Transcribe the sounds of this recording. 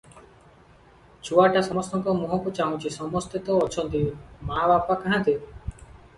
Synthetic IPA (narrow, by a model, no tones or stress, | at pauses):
t͡ʃʰuaʈasɔmɔst̪ɔŋkɔmɔɦɔkut͡ʃaɦũt͡ʃʰisɔmɔst̪it̪ɔɔt͡ʃʰɔnt̪imabapakaɦãnt̪i